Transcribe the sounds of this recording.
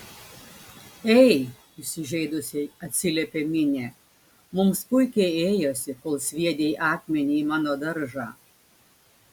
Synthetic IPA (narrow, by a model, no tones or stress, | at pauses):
ɛɪ | ʊsʲɪʒʲɛɪd̪ʊsʲeɐt̪ʲsʲɪlʲɛpʲeːmʲɪnʲeː | mʊmspʊɪkʲɛɪeːjoːsʲɪkoːlˠsʲʋʲiɛd̪ʲeʔɑːkmʲɛnʲimɑːnoːd̪ɐɾʒɑː